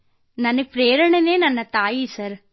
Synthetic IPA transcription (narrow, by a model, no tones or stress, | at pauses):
nɐnːɯpɾeːɾɐɳɐneːnɐnːɐt̪aːjisɐɾ